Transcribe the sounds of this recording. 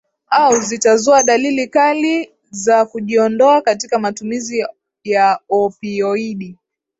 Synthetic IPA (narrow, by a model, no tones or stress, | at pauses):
auzitazɔaɗalilikali | zakuʄiɔndɔakatikamatumizi | jaɔpiɔiɗi